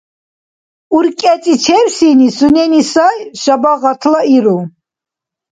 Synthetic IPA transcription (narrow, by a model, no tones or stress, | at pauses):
uɾkʼɛt͡sʼit͡ʃʰɛɾsinisunɛnisajʃabaʁat̪ʰlaiɾu